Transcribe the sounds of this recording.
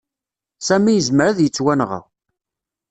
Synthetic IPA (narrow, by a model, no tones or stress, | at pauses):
sæmijəzməɾaðjət͡sːwænʁə̰